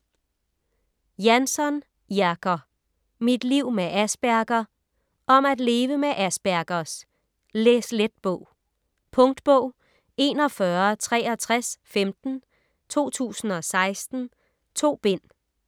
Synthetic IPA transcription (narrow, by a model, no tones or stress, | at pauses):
jænsɒn | jæɡ̥ɐ | mid̥liʊ̰meʔæsb̥æɐɡ̥ɐ | ʔɒ̽mæd̥le̝ːʋəmeʔæsb̥æɐɡ̥ɐs | lesled̥̚b̥ɔʊ̰ | pʰɔ̽ŋd̥b̥ɔʊ̰ | e̝nɒ̽fɶɐt͡sʰʁɛːɒt͡sʰʁasfemd̥n̩ | t͡sʰo̝̰ːt͡sʰṵːsn̩ɒ̽sɑ̈ɪsd̥n̩ | t͡sʰo̝̰ːb̥e̝n̰